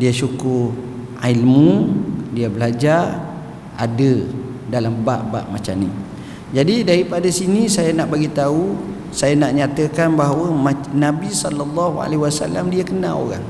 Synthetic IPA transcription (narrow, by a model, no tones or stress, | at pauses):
diasukʊr | ailmudiabəlad͡ʒar | a̰də | dalambaʔba̰ʔmat͡ʃa̰mni | d͡ʒadidaɾipadasinisajanaʔbaɡit̪au | sajanaʔɲat̪əkanbaɦawəmanabisɔlalːɔɦua̰leɦiwasa̰lamdiakənã̰o̰ɾa̰ŋ